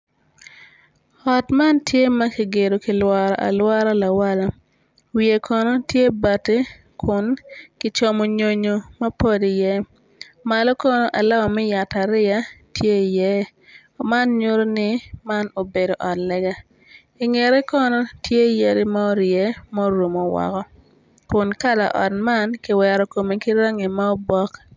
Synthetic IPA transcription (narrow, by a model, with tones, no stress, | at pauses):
ɔ˨tma˦ntje˦ma˦ki˨ɡe˨do˨ki˨lwa˨ɾa̰˨ʔa̰˨lwa˦ɾa˦la˨wa˦la˨ | wie˨kʰɔ˨nɔ˦tje˦ba˨ti˦ | kʰʊ˨nkɪ˨t͡ʃɔ˨mo˨ɲo˨ɲo˨mɐ˦po˦di˨jɛ˦ | ma˨lɔ˦kɔ˦nɔ˦ʔa˨la˦ɔ˨mɛ˦ja˨ta˨ɾɪ˦a˦tje˦˨jɛ˦ | ma˦nɲo˦ɾo˦nɪ˦ma˦no˨be˨do˨ʔɔ˨tlɛ˦ɡa˦ | ɪ˨ŋe˨ɾɛ˦kɔ˦nɔ˦tje˦je˦ɾɪ˦ma˦o˦ɾjɛ˦mɔ˦ɾo˨mo˨wɔ̰˨kɔ˦ | kʊ˨nka˦la̰˨ʔɔ˨t̚ma˦nkɪ˨wɛ˨ɾɔ˨ko˨mi˨kɪ˦ɾa˦ŋi˨ma˦o˦bɔ˦k